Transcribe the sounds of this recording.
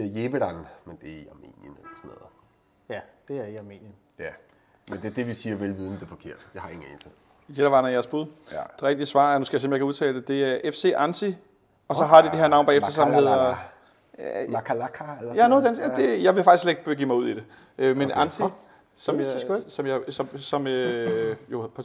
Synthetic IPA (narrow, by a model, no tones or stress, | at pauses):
jeːʋeɾænmend̥e̝iɑ̈me̝̰ːnjənelɐsɔnɛ̰ðˠ | jd̥e̝æɐiɑ̈me̝̰ːnjən | jæ | mend̥eɐd̥e̝ʋisiːɐʋelʋiðˠmd̥e̝fɒ̽kʰe̝ɐ̰d̥d̥ehɑ̈e̝ŋn̩ḛnsʰe | jeɾ̥ɐʋɑ̈nɐjæɐsb̥uð̞ˠd̥e̝ʁɛɡ̥d̥iəsʋɑ̰̈ːæɐnusɡ̥æjsemljekʰæu̞t͡sʰɛ̰ːld̥ed̥e̝æɐʔefse̝̰ːʔænsʰi | ɒ̽sɒ̽ɦɑ̈d̥id̥eheɐnɑ̈ʊnbɑːefd̥ɐsɒmɦe̝ð̞̰ˠɐ | kʰlakʰaelɐjæɐnoðˠd̥ensd̥e̝jɑ̈ɪʋe̝fɑɡ̥isleɡ̥̚b̥ɡ̥ḭːmɑ̈ɪuð̞̰ˠid̥e̝ | ʔømenʔænsʰi | sɒ̽msɒ̽mjɑɪsɒ̽msɒ̽møjo̝pʰɒ